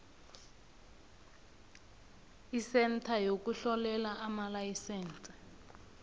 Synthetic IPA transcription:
isɛntʰajok̬ʼuɬɔlɛlaamalajisɛːnt͡sʼɛ̥

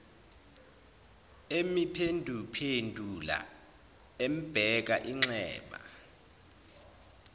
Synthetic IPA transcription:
emipʰendʱupʰendʱula̰ | em̩b̥ʱɛk̬aʔiŋ͡ǁɛ̰ːɓa̰

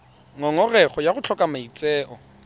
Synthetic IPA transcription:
ŋɔŋɔrɛχɔjaχʊt͡ɬʰɔkʼamait͡sʼɛːʔɔ

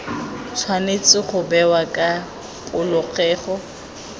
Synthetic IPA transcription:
t͡sʰwanet͡sʼɪχʊbɛwakʼa | pʼʊlʊχɛːχɔ

